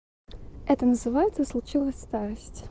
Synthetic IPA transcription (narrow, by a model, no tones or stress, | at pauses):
ɛt̪ənəzɨvajɪt̪səslˠʊt͡ɕilˠəsʲst̪aɾəsʲtʲ